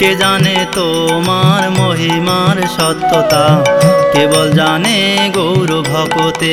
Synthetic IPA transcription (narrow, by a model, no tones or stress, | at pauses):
ked͡ʒanet̪o | maɾmoɦimaɾʃɔt̪ːot̪akebold͡ʒaneɡowɾobʱɔɡot̪e